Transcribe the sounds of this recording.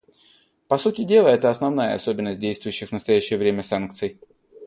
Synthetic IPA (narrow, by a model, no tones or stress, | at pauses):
pɐsutʲɪdʲe̞lˠəɛt̪əɐsnɐvnajə̰ɐ̰so̞bʲɪnːəsʲt̚dʲejst̪vʊjʏɕːɪxvnəst̪ɐjæɕːɪjəvɾʲemʲəsank̚t̪sɨj